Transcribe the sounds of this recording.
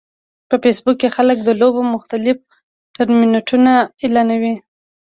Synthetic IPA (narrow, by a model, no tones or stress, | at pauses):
pəfesbukːexalək̚d̪əlobomʊxt̪alɪf | ʈaɾminoʈʰunaɪlanawi